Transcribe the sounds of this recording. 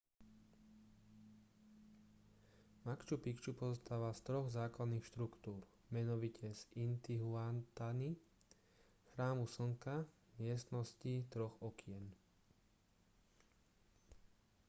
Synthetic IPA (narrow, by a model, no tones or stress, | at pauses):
makt͡ʃupikt͡ʃupɔzɔst̪aːʋast̪ɾɔɣzaːklad̪niːxʃt̪ɾukt̪uːɾ | mɛnɔʋicʰɛzint̪iɦuant̪ani | xɾaːmusɔŋka | mɪɛst̪nɔscit̪ɾɔxɔkʰɪɛn